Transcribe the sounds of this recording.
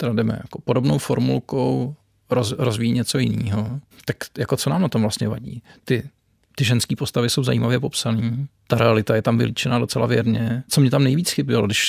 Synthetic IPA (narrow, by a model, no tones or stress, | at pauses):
t̪ɛɾadɛmɛ̰ja̰ko̞po̞do̞bnowfo̞ɾmulkow | ɾozɾozvijiɲɛt͡so̞jɪnḭːɦo̞t̪akjakot͡sonaːmnat̪o̞mvlast̪ɲɛvaɟḭːt̪ɪ | t̪ɪʒɛnskiːpo̞st̪avɪso̞wza̰jḭːmavjɛpo̞psaniːt̪aɾʔɛalɪt̪ajɛt̪amvɪ̰liːt͡ʃɛnaːdo̞t͡sɛlavjɛɾɲɛt͡somɲɛt̪amnɛjviːt͡sxɪbɪlodɪʃ